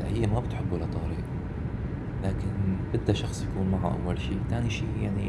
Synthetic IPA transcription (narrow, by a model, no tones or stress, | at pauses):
hɪjːamabɪt̪ħɪbːʊlat̪ˤɑːɾiːq | laːkɪnbɪd̪ːaʃɑxsˤjakuːnmaʕa̰ʔa̰wːalʃiːt̪aːniʃiːjaʕni